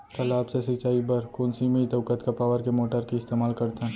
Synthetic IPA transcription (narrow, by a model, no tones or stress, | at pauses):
kəlaːpsesɪt͡ʃaːibəɾkoːnsimẽit̪əːkət̪kapaːʋəɾkemoːʈəɾkiɪst̪eːmaːlkɐɾt̪ɦɛ̃